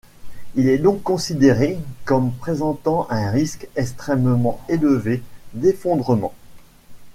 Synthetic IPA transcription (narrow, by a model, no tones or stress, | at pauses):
ilɛd̪ɔ̃kːɔ̃sid̪eʁekɔmpχezɑ̃t̪ɑ̃ʔɛ̃ʁiskɛkst̪χɛmmɑ̃eləved̪efɔ̃d̪ʁəmɑ̰̃